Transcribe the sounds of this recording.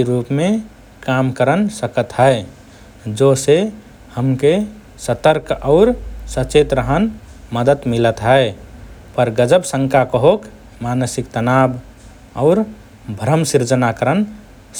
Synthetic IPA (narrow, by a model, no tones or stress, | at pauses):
ɾupme | kamkəɾənsəkət̪ɦəe | d͡ʒose | həmke | sət̪əɾkɔʊɾsət͡ʃet̪ɾəɦən | məd̪ət̪milət̪ɦəepəɾɡəd͡ʒəbsə̃ŋkakəɦok | manəsikt̪ənab | ɔʊɾ | bʱɾəmsiɾd͡ʒənakəɾən